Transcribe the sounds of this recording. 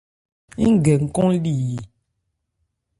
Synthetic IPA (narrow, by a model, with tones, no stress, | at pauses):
i˦ŋ˦˨ɡɛ˨ŋ̩˨kɔ̃˦li˦˨ji˨